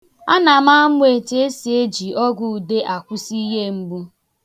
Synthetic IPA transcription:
a˦na˨ma˦a˦mʊ˦e˨te˦e˦si˨e˦d͡ʒi˨ɔ˦ɡu˨de˦ʔa˨kʷu˦si˦ɦe˦m̩˦bu˦

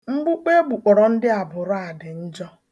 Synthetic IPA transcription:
ŋ͡m̩˦ɡ͡bʊ˦k͡pe˦ɡ͡bu˨k͡pɔ˨ɾɔ˨n̩˦dɪ˦a˨bʊ˨ɾa˨dɪ˨n̩˦d͡ʒɔ˦

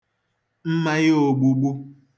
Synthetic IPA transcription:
m̩˦ma˦jɪ˦o˨ɡ͡bu˨ɡ͡bu˦

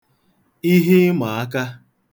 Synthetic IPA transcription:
i˦ɦi˦ma˨a˦ka˦

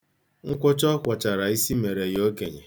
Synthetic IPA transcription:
ŋ̩˦kʷʊ˦t͡ʃɔ˦kʷa˨t͡ʃa˨ɾa˨i˦si˦me˨ɾe˨jo˦ke˨ɲḛ˨

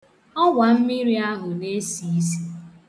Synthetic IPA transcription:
ɔ˦ɡʷa˨m̩˦mi˦ɾi˦a˦ɦʊ˨ne˦si˨˦si̥˦

